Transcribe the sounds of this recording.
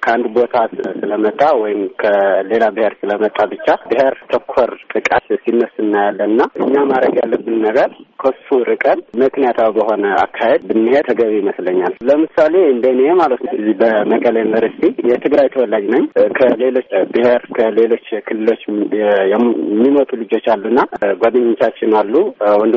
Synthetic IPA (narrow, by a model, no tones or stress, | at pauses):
kʰəand̪bo̞t̪ʰasɨləmət̪ʼːawɔjɪmkʰəle̞labɨhe̞ɾsɨləmət̪ʼːabɨt͡ʃːabɨɦe̞ɾt̪ʰəkʰːoɾt̪ʼɨkʼat̪sinːəsɨnːajalːənɨnːaʔɨ̰ɲːamaɾəɡjalːəbːɨnnəɡəɾkʰosfuɾɨkʼənmɨknijat̪ʰawbəɦo̞nəa̰kʰːahe̞d̪̚bɨnːihet̪ʰəɡəβijiməsləɲːalləmɨsale̞ɨnd̪ənemalət̪ɨzibəməkʼələinvəɾsi̥t̪ʰijɛt̪ʰɨɡɾajt̪ʰəwɔlːad͡ʒnəɲkʰəle̞lo̞t͡ʃːbɨheɾkʰəle̞lo̞t͡ʃːkʰɨlːɨlo̞t͡ʃːjɛɛmːimət̪ʼulɨd͡ʒo̞t͡ʃːalːunːaɡod̪ɨɲːt͡ʃat͡ʃːɪnalːuwɔnd̪